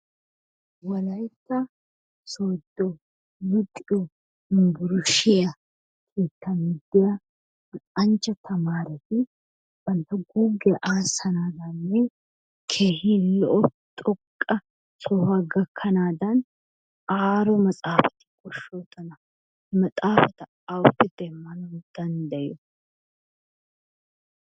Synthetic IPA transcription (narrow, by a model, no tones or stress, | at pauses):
wɐlɐjt̪ːɐ | soːd̪ːɔ | mʊt̪ʼːɪʔɔ | ɪŋbʊɾʊʃɪjɐ | kʰeːt̪ːɐmiːd̪ːɛjɐ | ɐnt͡ʃːɐt̪ʰɐmaːɾɛt̪ɪ | b̥ɐnt̪ɐɡuːɡɛʔaːsɐnaːd̪ɐnːe | kʰe̞ːhiːlɔʔɔ | t̪ʼɔkʼːɐ | sɔhɐɡɐkʰːɐnaːd̪ɐn | aːɾɔmɐt͡sʼaːfɐ̥t̪ɪ̥kʼɔʃoːt̪ːɐnɐ | mɐt͡sʼaːfɐt̪ɐ | ɐwʊpːɪd̪ɛmːɐnɔd̪̥ɐnd̪ɐjɔ